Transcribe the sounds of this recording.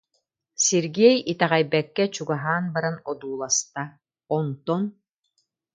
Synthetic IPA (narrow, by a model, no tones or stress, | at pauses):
siɾɡɛjit̪ɛʁɛjbɛkːɛt͡ɕuɡaɦaːnbaɾanɔd̪uːlˠast̪a | ɔnt̪ɔn